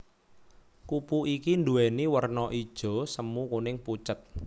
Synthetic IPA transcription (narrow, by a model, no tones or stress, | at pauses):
kupuʔikind̪uɛniwərnɔʔid̥ʒ̥ɔ̤səmukunɪŋput͡ʃət̪̚